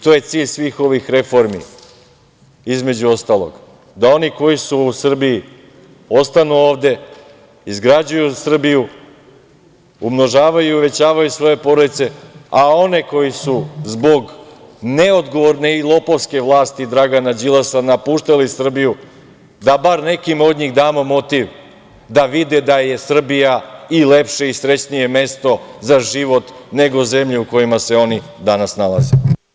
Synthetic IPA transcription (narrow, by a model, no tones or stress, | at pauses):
t̪oje̞t̪siːʎʲsʋiːxo̞ʋixɾe̞fo̞ɾmḭ | izme̞d͡ʑuo̞st̪aːlˠo̰ɡ̥ | d̪ao̞niko̞jisuːsr̩biji | o̞st̪anuo̞ːʋd̪e̞ | izɡɾad͡ʑujusr̩biju | umno̞ʒaːʋajuiuʋe̞t͡ɕaːʋajusʋo̞je̞po̞ɾod̪it̪se̞ao̞ne̞ko̞jisuzbo̞ɡ | ne̞od̪ɡo̞ʋoɾne̞ilˠo̞poʋske̞ʋlˠaːst̪id̪ɾaɡanad͡ʑilasanapuːʃt̪alisr̩biju | d̪abaɾne̞kimo̞d̪ɲiɣd̪aːmomo̞t̪iʋ | d̪aʋid̪ed̪aje̞sr̩bijaile̞pʃe̞isɾe̞t͡ɕnije̞me̞st̪o̞zaʒiʋo̞t̪ne̞ɡo̞ze̞mʎeuko̞jimaseo̞ni | d̪anasnalˠaze